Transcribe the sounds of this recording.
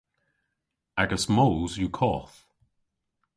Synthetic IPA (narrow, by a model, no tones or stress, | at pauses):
aɡəsmoːzjukʰɔːθ